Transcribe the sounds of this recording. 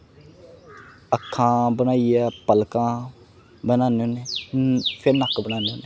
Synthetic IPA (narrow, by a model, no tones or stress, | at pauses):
əkʰːãːbənaːiɛːpəlkãː | bənaːnoːneː | pʰɪɾnəkbənaːnoːneː